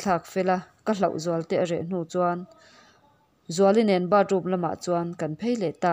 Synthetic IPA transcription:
t͡ɬʰa˧k̚fɛ˧la˧kəlɐ˨wʔzu˨ɐ˦lt̪ɛ˧ʔrɛ˨ʔn̥uː˧˨t͡sua˧n | zu˨ɐ˧˦li˦nɛ˨˦nba˦˧ru˧˨mlɐ˧˨ma̰˨ʔt͡su˧a˧nkɐ˨npʰe˦jlɛ˨t̪aː˧˨

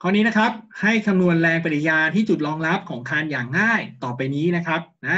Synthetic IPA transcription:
kʰɔː˧nːiː˦˥na˦˥kʰɾa˦˥p̚ha˥˩jkʰa˧mnu˧ənɾɛː˧ŋpa˧˩t̪i˨˩jaː˧t̪ʰiː˥˩t͡ɕu˨˩t̪̚lɔː˧ŋɾa˦˥p̚kʰɔː˩˦ŋkʰaː˧njaː˨˩ŋːaː˥˩jt̪ɔː˨˩pːa˧jniː˦˥na˦˥kʰɾa˦˥p̚na˦˥

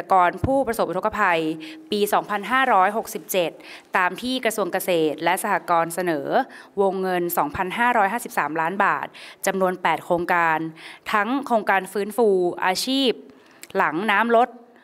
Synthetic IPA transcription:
kɔː˧npʰuː˥˩pɾa˧so˨˩p̚ʔ̪ʰo˦˥ka˧pʰa˧jpiː˧sɔː˩˦ŋpʰa˧nɦaː˥˩ɾɔː˦˥jɦo˨˩k̚si˨˩p̚t͡ɕe˨˩t̪̚ːaː˧mt̪ʰiː˥˩kɾa˧su˧əŋka˧seː˨˩t̪̚lɛ˦˥ʔsa˧hʰaː˨˩kɔː˧nsa˧nɤː˩˦wo˧ŋːɤ˧nsɔː˩˦ŋpʰa˧nɦaː˥˩ɾɔː˦˥jɦaː˥˩si˨˩p̚saː˩˦mlaː˦˥nba̰ː˨˩t̪̚t͡ɕa˧mnu˧ənpɛː˨˩t̪̚kʰɾoː˧ŋkaː˧nt̪ʰa˦˥ŋkʰɾoː˧ŋkaː˧nfɯː˦˥nfuː˧ʔa̰ː˧t͡ɕʰiː˥˩p̚ | la˩˦ŋnaː˦˥mɾo˦˥t̪̚

